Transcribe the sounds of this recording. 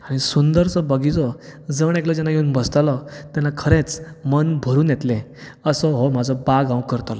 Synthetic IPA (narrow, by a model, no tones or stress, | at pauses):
aɽ̃isund̪əɾt͡sɔbəɡit͡sɔd͡zəɽ̃eklɔd͡ʑɛnajeunbəst̪alɔt̪ɛnakʰəɾet͡smənbʱəɾuːnjɛt̪lẽəsɔɦɔmad͡zʱɔbaɡãwkəɾt̪alɔ